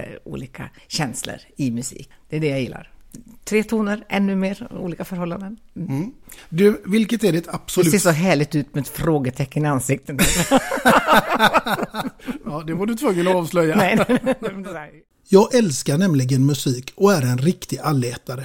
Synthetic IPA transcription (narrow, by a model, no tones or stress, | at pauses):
ṵːliːkʰa̰ | ɕɛnslə̰ɾɪmɵsḭːkd̪̥ɛæɖɛjajɪlːa̰ɾt̪ʰɾeːt̪ʰuːnəɾʔɛnːɵmeːɾṵːliːkafœɾhɔlːand̪ən | d̪ɵvɪlkət̪æɖɛt̪ʰab̥sɔʉseːʂɔɦæːɭɪɡ̚t̪ʉ̟ːt̪med̪fɾoːɡət̪ʰɛkːənəansɪk̚t̪ənæ | d̪ɛvaɖɵt̪ʰvɵŋːənɔɑːvslœjːanɛnɛd̪ | jɑːɡɛlskaɳɛmlɪɡənmɵsiːkɔæɾɛnɾɪkt̪ɪalːeːt̪aɾə